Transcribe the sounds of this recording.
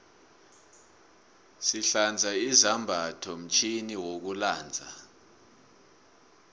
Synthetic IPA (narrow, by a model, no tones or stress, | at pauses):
siɬand͡zʱaizambʱatʰɔm̩t͡ʃʰʼiniwok̬ulaːnd͡zʱa̰